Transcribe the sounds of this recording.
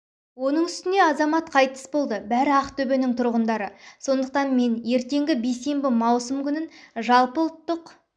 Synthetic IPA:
wo̞nəɴʏst̪ɪneɑzɑmɑt̪qʰɑjt̪ə̥sbo̞lˠd̪əbæɾɪɑqt̪ʰɵbe̞nɪŋt̪ʰʊɾʁənd̪ɑɾəso̞nd̪əq̚t̪ɑnme̞nje̞ɾt̪e̞ŋɡʲɪbejse̞mbɪmɑwsəmkʲʰʏnɪnʒɑlˠpəlˠt̪ːəq

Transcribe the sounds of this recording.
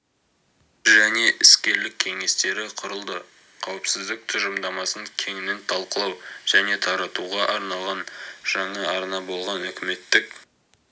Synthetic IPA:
ʒæne̞ʔɪskʲe̞ɾlɪkʲʰːe̞ŋe̞st̪e̞ɾɪqʰʊɾəlˠd̪ə | qʰɑwəpsɪzd̪ɪk̚t̪ʰʊʒəmd̪ɑmɑsəɴkʲʰe̞ŋɪnɪnt̪ʰɑlˠqəlˠɑwʒ̥æne̞t̪ʰɑɾɑt̪uʁɑʔɑɾnɑlˠʁɑnʒ̥ɑɴɑɑɾnɑbo̞lˠʁɑnɵkʲɪme̞t̪ːɪk̚

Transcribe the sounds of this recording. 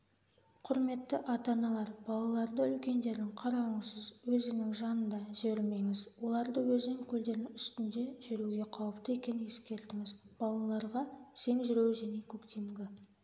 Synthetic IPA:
qʰʊɾme̞t̪ːɪʔɑt̪ɑnɑlˠɑɾb̥ɑlˠɑlˠɑɾd̪əʏlkʲe̞nd̪e̞ɾd̪ɪŋqʰɑɾɑwəɴsəzwɵzɪŋnɪŋʒɑnənd̪ɑʒɪbeɾme̞ŋɪzwo̞lˠɑɾd̪əwɵzɪnɪŋkʲʰʏld̪e̞ɾnɪŋʏst̪ɪnd̪e̞ʒʏɾuɡʲe̞qʰɑwəp̚t̪əe̞kʲe̞nɪŋe̞skʲe̞ɾt̪ɪŋɪzb̥ɑlˠɑlˠɑɾʁɑse̞ŋʒʏɾe̞wʒæne̞kʲʰɵkt̪e̞mɡʲɪ

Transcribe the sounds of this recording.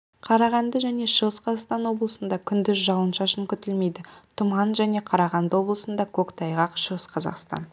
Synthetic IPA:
qʰɑɾɑʁɑnd̪əʒæne̞ʃəʁəsqʰɑzɑqst̪ɑnwo̞blˠəsənd̪ɑkʲʰʏnd̪ɪzʒɑwənʃɑʃəŋkʲʰʏt̪elme̞jd̪ɪt̪ʰʊmɑnʒæne̞qʰɑɾɑʁɑnd̪əwo̞blˠəsənd̪ɑkʲʰɵkt̪ʰɑjʁɑqʃəʁəsqʰɑzɑ̰qst̪ɑ̰n

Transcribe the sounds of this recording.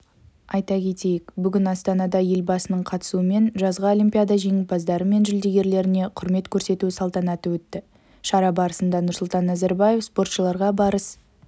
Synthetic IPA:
ɑjt̪ɑkʲʰe̞t̪e̞jɪkbʏɡʲɪnɑst̪ɑnɑd̪ɑje̞lbɑsənəɴqʰɑt̪ə̥suəme̞nʒɑzʁɑo̞lʲimpʲijad̪ɑʒe̞ŋɪpɑzd̪ɑɾəme̞nʒʏɪld̪e̞ɡʲe̞ɾle̞ɾɪne̞qʰʊɾme̞t̪kʲʰɵɾse̞t̪usɑlˠt̪ɑnɑt̪əwɵt̪ːɪ | ʃɑɾɑbɑɾəsənd̪ɑnʊɾsʊlˠt̪ɑnːæzeɾbaje̞fspo̞rt̪ʃəlˠɑɾʁɑbɑɾəs

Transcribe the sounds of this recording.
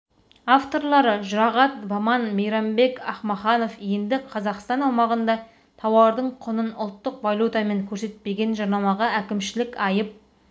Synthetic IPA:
ɑft̪o̞ɾlˠɑɾəʒʊɾɑʁɑt̪bɑmɑnmejɾɑmbe̞kʲɑχmɑχɑno̞fje̞nd̪ɪqʰɑzɑqst̪ɑnɑwmɑʁənd̪ɑ | t̪ʰɑwɑɾd̪əɴqʰʊnənʊlˠt̪ːəqvalʲut̪ɑme̞ŋkʲʰɵɾse̞t̪̚pe̞ɡʲe̞nʒɑɾnɑmɑʁɑækʲɪmʃɪlɪkʲɑjəp̚

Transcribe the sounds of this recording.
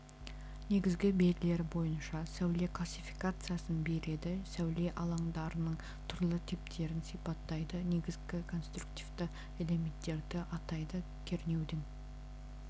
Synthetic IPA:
ne̞ɡʲɪzɡʲɪbe̞d̪ʲɪle̞ɾbo̞jənʃɑsæwle̞kʰlˠasʲifijkat̪sɨjasənbe̞ɾe̞d̪ɪsæwle̞ʔɑlˠɑɴd̪ɑɾənəɴ | t̪ʰʊɾlˠət̪ʰɪp̚t̪ʰe̞ɾɪnsijpɑt̪ːɑjd̪əne̞ɡʲɪzɡʲɪkʰo̞nst̪rukt̪ivd̪ɪ | ele̞me̞nt̪ːe̞ɾd̪ɪʔɑt̪ɑjd̪ə | kʲʰe̞ɾne̞wd̪ɪŋ

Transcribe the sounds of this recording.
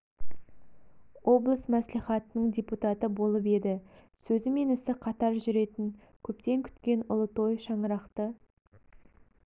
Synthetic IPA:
wo̞blˠəsmæsliχɑt̪ənəɴd̪ʲeput̪ɑt̪əbo̞lˠəpe̞d̪ɪ | sɵzɪme̞nɪsɪqʰɑt̪ɑɾʒʏɾe̞t̪ɪŋ | kʲʰɵpt̪e̞ŋkʲʰʏ̥t̪kʲe̞nʊlˠət̪o̞jʃɑɴəɾɑqt̪ə

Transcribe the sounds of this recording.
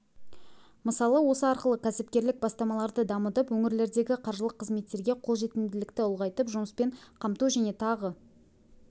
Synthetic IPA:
məsɑlˠəwo̞səɑɾqəlˠəkʲʰæsɪpkʲe̞ɾlɪk̚bɑst̪ɑmɑlˠɑɾd̪əd̪ɑmət̪əpwɵŋɪɾle̞ɾd̪e̞ɡʲɪqʰɑɾʒəlˠəqʰːəzme̞t̪ːe̞ɾɡʲe̞qʰolˠʒe̞t̪ɪmd̪ɪlɪkt̪ɪʊlˠʁɑjt̪əpʒʊməspe̞ɴqʰɑmt̪uwʒæne̞t̪ʰɑʁə

